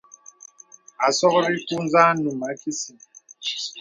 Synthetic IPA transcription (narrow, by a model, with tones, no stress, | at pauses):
a˨sɔ˦ɣɔ˦ɾi˦ku˦n˦za˦nu˨ma˨˦ki˦si˨